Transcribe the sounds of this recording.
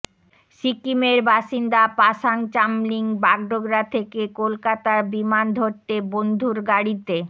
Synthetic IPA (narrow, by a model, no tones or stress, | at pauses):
ʃikimeɾbaʃind̪apaʃaŋt͡ɕamliŋbaɡɖoɡɾat̪ʰekekolkat̪aɾbimand̪ʱoɾt̪ebond̪ʱuɾɡaɽit̪e